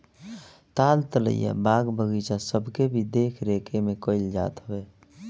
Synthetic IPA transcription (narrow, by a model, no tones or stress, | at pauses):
t̪aːlt̪lə̰ḭjɛ̰baːɡbʱəɡiːt͡ʃasəbʱkebʱid̪eːkʰɾeːkʰemẽkoɪld͡ʒa̰ːt̪ɦoweː